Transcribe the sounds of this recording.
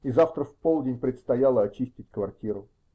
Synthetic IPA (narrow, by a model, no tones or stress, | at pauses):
izaft̪ɾəfpolˠdʲɪnʲpɾʲɪt̪st̪ɐjalˠəɐt͡ɕisʲtʲɪtʲkvɐrtʲiɾʊ